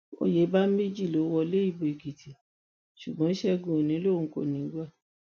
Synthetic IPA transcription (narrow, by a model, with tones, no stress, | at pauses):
o̰˦˨je˨˦ba˦me˦d͡ʒi˦˨lo˨˦wɔ˧˦le˦i˦˨bo˨i˨ɡi˨tʰi˨ | ʃu˨ɡ͡bɔ̃˨˦ʃɛ˦ɡũ˧o˨nĩ˨˦lo˦˨ŋ̩˦ko̰˦˨nĩ˨˦ɡ͡ba˦˨